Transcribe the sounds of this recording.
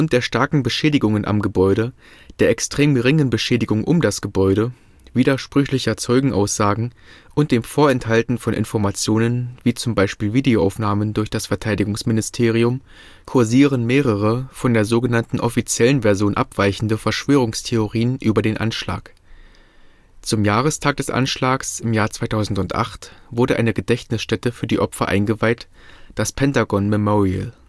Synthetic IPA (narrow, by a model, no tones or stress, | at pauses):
ʁʊnt̚d̥eːɐʃtaɐkŋ̩bəʃɛːdɪɡʊŋənʔa̰mɡəbɔʏɾə | d̥eːɐʔɛkstʁ̥eːmɡəʁɪŋənbəʃɛːdɪɡʊŋʔʊ̰mdasɡ̥əbɔʏɾə | v̥iːdɐʃpʁ̥ʏçlɪçɐt͡sɔʏɡŋ̩ʔa̰ʊsz̥aːɡŋ̩ | ʔʊnt̚d̥eːmfoːɐɛnthaltn̩fɔnʔɪ̰nfɔɐmat͡sjoːnənviːt͡sʊmbaɪʃpiːlviːdeoʔa̰ʊfnaːməndʊɐçd̥asfɛɐtʰaɪdɪɡʊŋsmɪnɪstʰeːʁ̞iʊm | kʰʊɐziːʁənmeːʁəʁəfɔndeːɐzoːɡənantn̩ʔɔfit͡sjɛlənvɛɐzjoːnʔa̰pv̥aɪçn̩dəfɛɐʃv̥øːʁ̞ʊŋstʰeoʁiːənʔyːbɐdeːnʔa̰nʃla̰ːk | t͡sʊmjaːʁ̞əstʰaːk̚d̥ɛsʔa̰nʃlaːksɪmjaːɐt͡sv̥aɪtʰaʊzn̩tʊntʔa̰χtv̥ʊɐdɾəʔa̰ɪnəɡədɛçtnɪsʃtɛtəfyːɐdiːʔɔpfɐ̰ʔa̰ɪnɡəvaɪt | d̥aspʰɛntaɡɔnmɛmɔʁiə̰l